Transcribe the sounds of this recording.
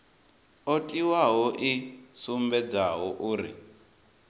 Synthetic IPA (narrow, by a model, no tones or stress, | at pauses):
otʼiwaɦɔʔisumbɛd͡zaɦɔʔuːɾḭ